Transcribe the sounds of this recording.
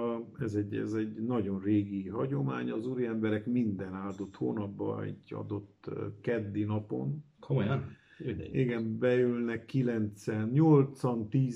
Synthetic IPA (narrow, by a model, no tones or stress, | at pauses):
ɛzɛɟɛ̰zɛɟnɒɟo̞nreːɡiɦɒɟo̞maːɲɒzuːɾiɛmbɛɾɛkmind̪ɛnaːld̪o̞t̪ho̰ːnɒbbɒ̰ḭɟɒ̰d̪o̞t̪ːkɛd̪ːinɒpo̞̰n | k | iɡɛmbɛylnɛkːilɛnt̪sɛnɲolt̪sɒnt̪iː